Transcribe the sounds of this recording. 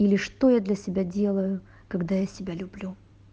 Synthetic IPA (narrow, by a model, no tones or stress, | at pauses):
ilʲɪʂt̪ojad̪lʲɐsʲɪbʲadʲe̞lˠəjʊ | kɐɡd̪ajasʲɪbʲalʲʊblʲu